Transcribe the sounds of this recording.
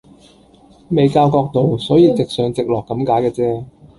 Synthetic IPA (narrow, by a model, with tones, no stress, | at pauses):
me˨˧jkaː˧wkɔː˧k̚t̪o˨wsɔː˨˥jiː˨˧t͡sɪ˨k̚sœː˨˧ŋt͡sɪ˨k̚lɔː˨kːɐ˨˥mkaː˨˥jkɛː˧t͡sɛː˥